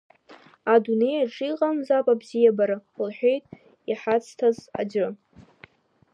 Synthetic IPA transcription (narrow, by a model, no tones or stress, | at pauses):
adune̞jaʈ͡ʂʼiqʼamzapʼabzijabaɾɨʊlħʷᶣejtʼ | iħat͡sʰtʰaza̰d͡ʒʷɨ